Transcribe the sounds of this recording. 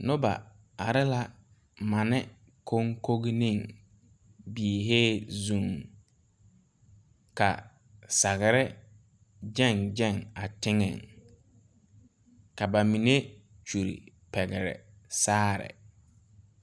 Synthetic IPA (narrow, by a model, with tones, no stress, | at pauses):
nʊ˦ba̰˨ | a˨ɾɪ˦la˦ | ma˨nɪ˦ | kʰo˦ŋko˦ɣi˦nĩ˦˨ŋ | bi˨e˨ɦeː˦zu˨ŋ | ka̰˨ | sa˨ɣɪ˨ɾɪ˦ | d͡ʒɛ˦˨nd͡ʒɛ˦˨ŋa˨tɪ˦ŋɛ̰˨ŋ | ka˨ba˨mi˨ne˦ | t͡ʃu˨ɾḭ˨ | pɛ˨ɣɪ˨ɾɛ̰˨ | saː˦ɾɪ̰˨